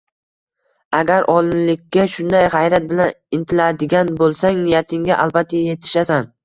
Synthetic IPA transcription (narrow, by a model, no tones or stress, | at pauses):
aɡʲaɾʔɒlˠɪnlɪkʲːaʃʊnd̪ajʁɑjɾat̪̚bɪlanɪnt̪ʰɪlad̪ɪɡʲanbolˠsaŋnɪjat̪ʰɪŋʲaʔalˠbat̪ʰːaje̞t̪ʰɪ̥ʃasan